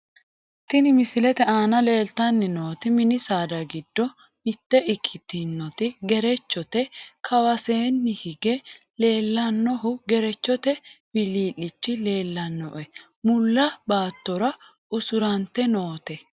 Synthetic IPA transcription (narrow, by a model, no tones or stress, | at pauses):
t̪ɪnɪmɪsɪlɛt̪ɛaːnɐle̞ːlt̪ɐnːɪno̞ːt̪ɪmɪnɪsaːd̪ɐɡɪd̪̥ːɔ | mɪt̪ːɛʔɪkʰːɪt̪ɪnːɔt̪ɪɡɛɾɛt͡ʃːɔt̪ɛkʰɐwɐse̞ːnːɪhɪɡɛ | le̞ːlːɐnːɔɦʊɡɛɾɛt͡ʃːɔt̪ɛbɪliːlːɪt͡ʃːɪle̞ːlːɐnːɔʔɛ | mʊlːɐbaːt̪ːɔɾɐ | ʔʊsʊɾɐnt̪ːɛno̞ːt̪ɛ